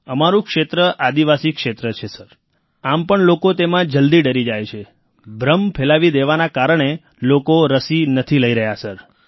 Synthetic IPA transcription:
əmaɾũkʃet̪ɾəʔad̪iʋasikʃet̪ɾət͡ʃʰesəɾ | ampəɳlokot̪emãd͡ʒəld̪iɖəɾid͡ʒajt͡ʃʰe | bʱɾəmpʰelaʋid̪eʋanakaɾəɳ̃e | lokoɾəsinət̪ʰiləiɾəɦjasəɾ

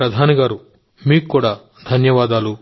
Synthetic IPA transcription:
ɾɐd̪ʱaːniɡaːɾu | miːkkːuːɽaː | d̪ʱɐnjɐʋaːd̪aːlu

